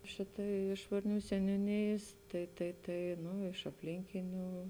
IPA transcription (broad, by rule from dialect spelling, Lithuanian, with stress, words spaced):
ˈʃʲɪtɐɪ ˈɪʃ ʋɐrʲˌnʲuː sʲɛnʲuːˈnʲeːjeːs tɐɪ tɐɪ ˈtɐɪ ˈnʊ ɪʃ ɐpʲˈlʲɪŋʲkʲɪnʲuː